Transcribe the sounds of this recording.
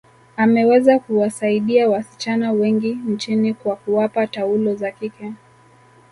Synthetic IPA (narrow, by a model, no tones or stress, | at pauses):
amɛwɛzakuwasaiɗiawasi̥t͡ʃanawɛŋɡint͡ʃinikwakuwapataulɔzakikɛ